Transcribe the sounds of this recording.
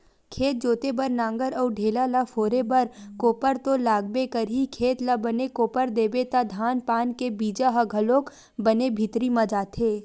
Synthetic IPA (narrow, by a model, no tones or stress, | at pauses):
kʰeːt̪̚d͡ʒoːt̪ebɐɾnãːŋɡəɾɔːɾɖʱeːlalafʰoːɾebɐɾkoːpəɾt̪olaːɡbekəɾɦikʰeːt̪labənekoːpəɾd̪eːbet̪ad̪ʱaːnpaːnkebiːd͡ʒaɦɐɡʱəloːk | bɐnebʱit̪ɾimãd͡ʒaːt̪ʰeː